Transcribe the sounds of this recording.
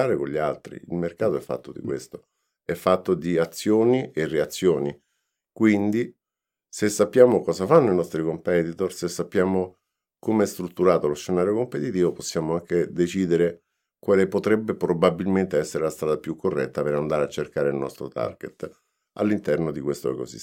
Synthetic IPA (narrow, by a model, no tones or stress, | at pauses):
aːɾekonʎːialt̪ɾḭḭlmerkaːt̪oɛfːa̰t̪ːod̪ḭkwḛst̪o | ɛfːat̪ːod̪iat̪sːjoːniʔereat̪sːjoːni | kwind̪i | sesːapːjaːmokɔːzafanːoinɔst̪ɾikompɛːt̪it̪orsesːapːjaːmo | komeɛst̪ɾut̪ːuɾaːt̪oloʃʃːenaːɾjokompet̪it̪iːvoposːjaːmoaŋked̪et͡ʃiːd̪eɾe | kwaːlepot̪ɾɛbːepɾobabilment̪eɛsːeɾelast̪ɾaːd̪apjukʰːorːɛ̰t̪ːapeɾand̪aːɾeat͡ʃːerkaːɾeilnɔ̰st̪ɾot̪a̰rɡḛt̪ | a̰lːint̪ɛrnod̪ikwest̪o̰ḛko̰sḭ